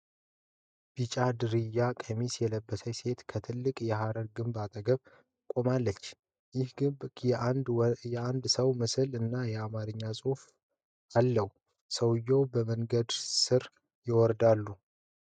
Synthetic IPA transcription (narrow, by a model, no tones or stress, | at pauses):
b̥it͡ʃʼad̪ɨɾɨjːakʼʰəmisjɛləbːəsəjse̞t̪kʰət̪ʰɨlːɨkʼjɛɦaɾəɾɡɨmbat̪ʼəɡəβ | kʼo̞malːət͡ʃː | jɪhɡɨbjɛanjɛand̪səwmɨsɨlɨnːajɛamaɾɨɲːasʼof | alːəw | səwjowbəməŋɡəd̪sɨɾ | jɪwɔɾd̪alːu